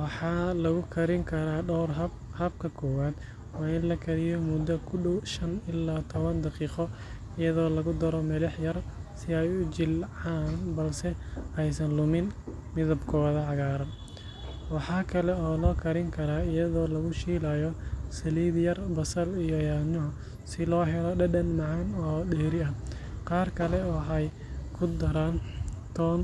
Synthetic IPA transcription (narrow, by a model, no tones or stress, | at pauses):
wɑħɑːlɐɣʊkʰɐɾɪŋkʰɐɾaːɖɔwr | hɐb̚kʰɐkʰɔːwaːd̪ | wɑːɪnlɐkʰɐɾɪjɔmʊd̪ɐkʰʊɖɔwʃɐnɪlːaːt̪ʰɔβɐnd̪ɑqiːqɔ | ɪjɐðɔːlɐɣʊd̪ɐɾɔmɐlɐħjɐrsɪɛjʊt͡ʃɪlʕaːnbɐlsɛɛjsɐnlʊmɪnmɪðɐbkʰɔːðɐʕɑɣaːɾɐn | wɑħɑːkʰɐlɛɔːlɔːkʰɐɾɪŋkʰɐɾaːɪjɐðɔːlɐɣʊʃiːlaːjɔsɐliːðjɐrbɐsɐlijɔjaːnʊɦʊ | sɪlɔːɦɛɾɔɖɐɗɐnmɑʕɑnɔːɗɛːɾɪɐqɑːrkʰɐlɛɔːħɑj | kʰʊd̪ɐɾaːnt̪ʰɔːn